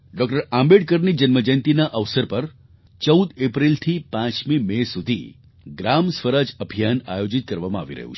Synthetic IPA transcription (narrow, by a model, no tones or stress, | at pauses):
ɖɔk̚ʈəɾãmbeɽkəɾnid͡ʒənməd͡ʒənt̪inaʔəʋsəɾpəɾ | t͡ʃəwd̪epɾilt̪ʰipãt͡ʃmimesud̪ʱḭ | ɡɾamsʋəɾad͡ʒəbʱijanajod͡ʒit̪̚kəɾʋamãa̰ʋiɾə̰ɦṵt͡ʃʰ